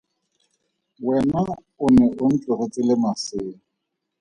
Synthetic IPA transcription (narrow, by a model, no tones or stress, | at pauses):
wɛna | ʊnɛʔʊn̩t͡ɬʼʊret͡sʼɪlɪmasɪːŋ̩